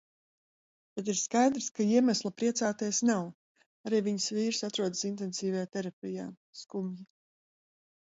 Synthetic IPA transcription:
bɛt̪̬iɾskajd̪ɾskaiɛmæslˠapɾiɛt̪saːt̪iɛsnaw | aɾiːviɲsviːɾsat̪ɾuɔd̪sint̪̬ɛnsiːvajaːt̪ɛɾapʲijaː | skumji

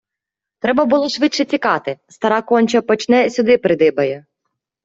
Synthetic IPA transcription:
t̪ɾɛbɐbʊlˠɔʃʋɪtʃɛt͡sʲikɑt̪ɪst̪ɐɾɑkɔnʲt͡ʃɐpɔt͡ʃnɛsʲʊd̪ɪpɾɪd̪ɪbɐjɛ

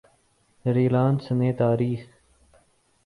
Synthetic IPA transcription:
ɾiːlãːnsəneːt̪aːɾiːx

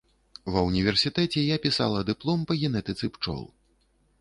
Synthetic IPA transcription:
vɐwnʲivʲɛrsʲit̪ɛt͡sʲɛjapʲisa̰lˠɐd̪ɨplˠɔmpɐɣʲɛnɛt̪ɨt̪sɨpt͡ʂɔ̰lˠ

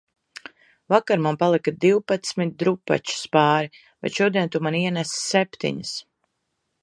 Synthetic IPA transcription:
vakaɾmampalˠikad̪iwpat̪smit̪̚d̪ɾupːa̰t͡ʃu̥spaːɾi | vɛ̰jʃuɔd̪iɛnt̪umaniɛnɛssɛpʲt̪ḭɲəs

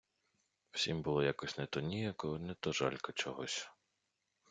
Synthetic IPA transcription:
w̥sʲimbʊlˠɔjakɔsʲnɛt̪ɔnʲijɐkɔnɛt̪ɔʒɑ̰lʲkɔt͡ʃɔɦɔsʲ

